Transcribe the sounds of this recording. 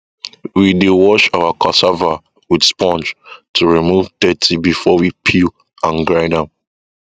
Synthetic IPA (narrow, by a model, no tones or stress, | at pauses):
widewɔt͡ʃawakʰɔsava | widspɔ̃nd͡ʒtʰuɹimuvdɛtʰibifɔwipʰil | ãnɡɹaɪdãm